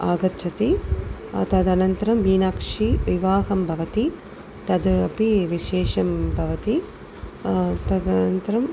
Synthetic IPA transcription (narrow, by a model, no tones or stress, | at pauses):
aːɡɐtːt͡ʃʰɐt̪i | t̪ɐd̪ɐnɐnt̪ɐɾɐmʋiːnaːkʂiʋiʋaːɦɐmbʱɐʋɐt̪i | t̪ɐd̪ɐpiʋiʃeːʂɐmbʱɐʋɐt̪i | t̪ɐd̪ɐnɐnt̪ɐɾɐm